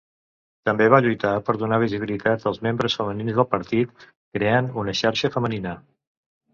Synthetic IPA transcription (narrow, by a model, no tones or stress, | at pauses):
t̪əmbeβaʎujt̪apəɾðunaβ̞iziβilit̪at̪əlˠzmembɾəsfəməninzðəlˠpəɾt̪it̪ | kɾeanunəʃaɾʃəfəməninə